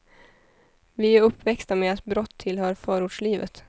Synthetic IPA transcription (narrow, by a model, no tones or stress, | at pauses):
ʋɪæɾɵpːvɛkst̪ameːat̪̚bɾɔt̪ʰːɪlhœːɾfœːɾʊɖʂɭiːʋə̰t̪